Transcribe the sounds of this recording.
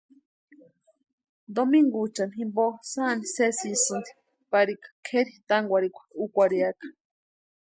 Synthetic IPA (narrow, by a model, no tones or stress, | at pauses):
d̪omiŋɡut͡ʃanɦimbosanisesisɨnd̪i̥ | paɾikḁkʰeɾit̪aŋɡʷaɾikʷḁukʷaɾiakḁ